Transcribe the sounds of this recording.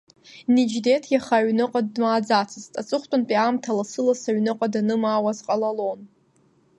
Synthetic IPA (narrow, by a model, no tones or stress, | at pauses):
nid͡ʒdetʰjaχaʕnɨqʼadːmaːd͡zat͡sʰɨztʼat͡sʼɨχʷtʼʊnpʼiamtʰalasɨlasaɥnɨqʼadanɨmaːwazqʼalalon